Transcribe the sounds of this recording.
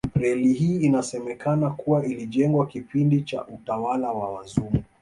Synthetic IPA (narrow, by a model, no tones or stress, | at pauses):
ɾɛlihiːnasɛmɛkanakuwailiʄɛŋɡwakipindit͡ʃa̰ʔutawalawawazumu